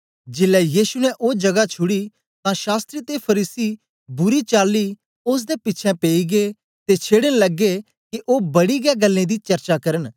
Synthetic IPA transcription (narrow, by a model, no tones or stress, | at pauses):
d͡ʒɪlːɛjiːsunɛʔod͡ʒɐɡat͡ʃʰʊɽi | t̪ãʃaːst̪ɾit̪epʰɐɾiːsi | bʊɾit͡ʃaːlːi | ʊs̬d̪epɪtːt͡ʃʰɛ̃peːiɡe | t̪et͡ʃʰeːɽənlɐɡːe | kiʔobɐɽiɡɛɡɐlːẽd̪it͡ʃɐɾt͡ʃakɐɾən